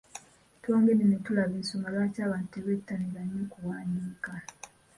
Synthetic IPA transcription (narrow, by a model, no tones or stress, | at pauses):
twoːŋɡenenetulaβensomalwacaːβaːnteβetːaniβaɲekuwaːɲiːka